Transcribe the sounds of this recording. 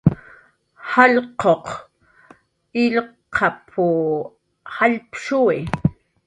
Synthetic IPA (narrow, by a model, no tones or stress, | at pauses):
haʎqoq | ɪʎqʰɑpʰu | haʎpʃui